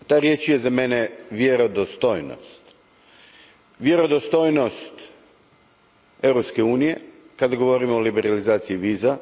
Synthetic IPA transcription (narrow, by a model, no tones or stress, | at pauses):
t̪aɾje̞t͡ʃjezameneʋjeɾod̪ost̪ojno̰st̪ | ʋje̞ɾo̞d̪ost̪o̞jnost̪ | e̞wɾopskeuːnije | kad̪aɡo̞ʋo̞ɾimoolibeɾalizaːt̪siiʋiːza